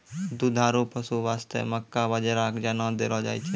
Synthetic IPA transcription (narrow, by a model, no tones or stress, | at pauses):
d̪ud̪ʱaːɾupəsuʋaːst̪ʰḛməkːaʋəd͡ʒəɾaːkd͡ʒanãd̪eɾɔd͡ʒa̰ːit͡ʃʰe